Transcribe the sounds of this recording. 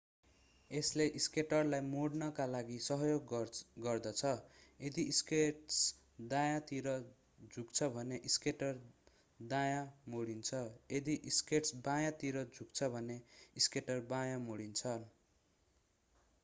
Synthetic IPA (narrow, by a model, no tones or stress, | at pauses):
esleʔiskeʈʌrlajmoɽnʌkalaɡisʌɦjoɡɡʌrd̪ʌt͡sʰʌed̪iiskeʈs | d̪ajat̪iɾʌ | d͡zʱukt͡sʰʌbʱʌneʔiskeʈʌr | d̪ajamoɽint͡sʰʌed̪iʔiskeʈsbãjat̪iɾʌd͡zʱuk̚t͡sʰʌbʱʌneiskeʈʌrbajamoɽint͡sʰʌn